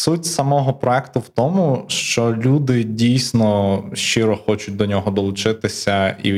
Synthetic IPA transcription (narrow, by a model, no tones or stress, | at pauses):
sutʲsɐmɔɦɔpɾɔɛkt̪ʊwt̪ɔmʊʃt͡ʃɔlʲud̪ɪdʲijsʲnɔʃt͡ʃɪɾɔxɔt͡ʃʊt̚ʲd̪ɔnʲɔɦɔd̪ɔlˠʊt͡ʃɪt̪ɪsʲɐḭ